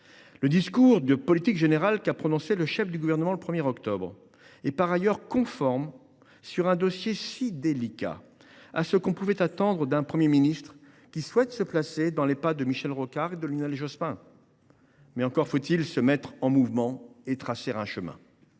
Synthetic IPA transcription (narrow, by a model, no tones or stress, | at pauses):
ləd̪iskuʁd̪əpɔlit̪ikʒeneʁalkapχɔnɔ̃seləʃɛfd̪yɡuvɛʁnəmɑ̃ləpχəmjɛʁɔkt̪ɔbʁ | ɛpaʁajœʁkɔ̃fɔʁm | syʁɛ̃d̪ɔsjesid̪elika̰ | asəkɔ̃puvɛt̪at̪ɑ̃d̪ʁəd̪ɛ̃pχəmjeminist̪χ | kʲiswɛt̪səplased̪ɑ̃lepad̪əmiʃɛlʁokaʁed̪əlinɛlʒɔspɛ̃ | mɛɑ̃kɔʁfot̪ilsəmɛt̪χɑ̃muvmɑ̃et̪χaseʁɛ̃ʃəmɛ̰̃